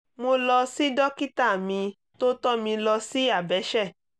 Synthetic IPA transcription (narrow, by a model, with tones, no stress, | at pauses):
mo˧lɔ˧si˦dɔ˦ki˦ta˦˨mĩ˧ | to˦tɔ˦mĩ˧lɔ˧si˦a˦˨bɛ˨˦ʃɛ˦˨